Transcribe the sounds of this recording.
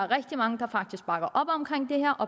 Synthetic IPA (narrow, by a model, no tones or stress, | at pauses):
ʁɛɡ̥d̥imɑ̈ŋəd̥ɑ̈fɑ̈ɡ̥d̥isɡ̥̚b̥ɑ̈ɡ̥ɐʔɒ̽b̥ɒ̽mkʰʁɛŋ̰d̥e̝heɐ̰ʔɒ̽